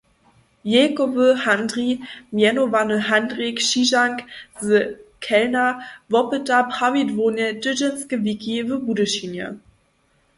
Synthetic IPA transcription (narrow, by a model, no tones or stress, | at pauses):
jekovəhandʁimjɛnovanəɦandʁikʃiʒaŋkzəkʰɛlnavɔpətapχavidvoːnjədəd͡ʒəskəvikʰivəbudəʃinjə̰